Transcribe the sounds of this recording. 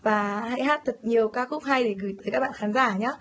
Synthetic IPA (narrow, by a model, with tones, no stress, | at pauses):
vaː˨˩ha̰˧˥jhaː˦˥t̚t̪ʰə˨˩t̚ɲi˨˩əwkaː˨˦˥xʊ˦˥k͡p̚ha˧jɗe˧˩ɣɨ˧˩jt̪əː˨˦kaː˦˥ɓa̰ː˧˨xaː˨˦nzaː˧˩ɲaː˨˦